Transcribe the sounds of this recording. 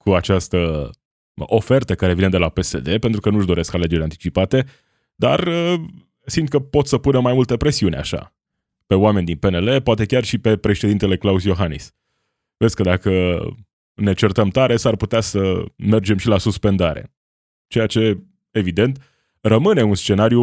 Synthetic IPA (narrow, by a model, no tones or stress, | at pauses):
kuat͡ʃast̪ə | o̞fe̞rt̪əkaɾe̞vined̪e̞lape̞se̞d̪e̞pent̪ɾukənuʒd̪o̞ɾe̞skale̞d͡ʒeɾʲant̪i̥t͡ʃipat̪e̞ | d̪a̰rə | simd̪̚kəpo̞t̪səpunəmajmult̪epɾe̞siunʲa̰ʃa̰ | pe̞oame̞nid̪inpe̞ne̞le̞poat̪e̞kʲarʃipe̞pɾe̞ʃe̞d̪int̪ele̞klausjo̞ɦanḭs | vesʲkəd̪akə | ne̞t͡ʃe̞rt̪əmt̪aɾe̞sarput̪easəme̞rd͡ʒe̞mʃilasuspe̞nd̪aɾe̞̰ | t͡ʃejat͡ʃe̞ | evid̪e̞nt̪ | rəmɨne̞unst͡ʃe̞naɾju